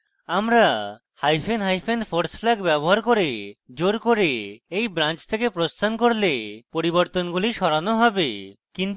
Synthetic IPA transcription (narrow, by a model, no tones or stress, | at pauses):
amɾa | hajpʰenɦajpʰenpʰoɾsflaɡbɛboɦaɾkoɾed͡ʒoɾkoɾeejbɾant͡ʃt̪ʰekepɾost̪ʰankoɾlepoɾiboɾt̪onɡuliʃɔɾanɔɦɔbe | kin